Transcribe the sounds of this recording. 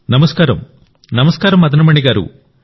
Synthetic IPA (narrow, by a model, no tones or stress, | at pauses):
nɐmɐskaːɾɐm | nɐmɐskaːɾɐmɐd̪ɐnɐmɐɳiɡaːɾṵ